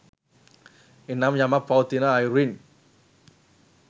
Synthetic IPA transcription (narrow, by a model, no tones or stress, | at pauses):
inamjamapaut̪inaːjɾuin